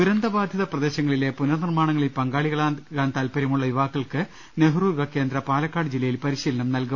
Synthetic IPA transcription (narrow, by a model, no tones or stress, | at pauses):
uɾɐnd̪ɐbaːd̪ʱjɐðɐprɐd̪e̞ːɕɐŋːɐɭile̞punɐrnirmaːɳɐŋːɐɭilpɐŋɡaːɭiɣɐɭaɡaːnt̪aːlpɐɾɐmuɭːɐjuʋaːkːɐɭkɨ | ne̞ɦuruːɾʋɐke̞ːnd̪ɾɐpaːlɐkːaːɽɨd͡ʑilːɐjilpɐɾiɕiːlɐnɐmnɐlkum